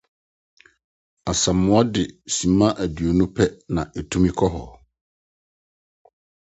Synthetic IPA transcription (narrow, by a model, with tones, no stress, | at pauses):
a˨sã˨mʊ̃˦ɔ˦dɪ˨sĩ˨mã˦ʔæ˨dɥo˨nũ˦pʰɛ˦nã˨ʔɛ˨tʰũ˦mĩ˦kʰɔ˦ɦɔ˨